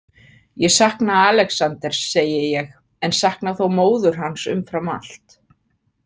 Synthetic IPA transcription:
jɛsahknaaːlɛksant̪ɛɾ̥sːeːjɪjɛɣ | ɛnsahknaθowmoːwðʏɾ̥ɦansʏ̰mfɾamal̥t̪

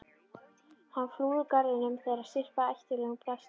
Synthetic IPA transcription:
hanːfluːðʏkaɾðɪnʏmθeːɾaðsɪr̥paɛjhc̪ɪlɛːɣʏpʰlast̪

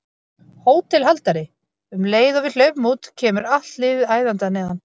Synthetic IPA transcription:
hoːwt̪ʰɪlɦalt̪aɾɪ | ʏmleːjðɔvɪl̥œɥvmuːt̪cʰɛːmʏɾaht̪lɪːvɪðaːjðant̪anɛːɣðan

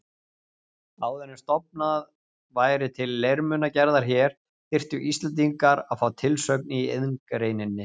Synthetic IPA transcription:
aːwðɛnːɪst̪ɔp̚nað | vaːjɾɪt̪ʰɪlːejɾmʏnacɛɾðaɾ̥çɛɾ̥ | θɪr̥t̪ʏʔist̪lɛnt̪̬iŋkaɾaðfaːwt̪ʰɪlsœk̚niieðŋkɾeːjnɪnːɪ

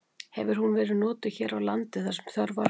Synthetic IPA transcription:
hɛ̰vɪɾ̥hunvɛːɾɪðnɔːt̪ʏçɛːɾawlant̪ɪθaɾ̥sɛmθjœɾva

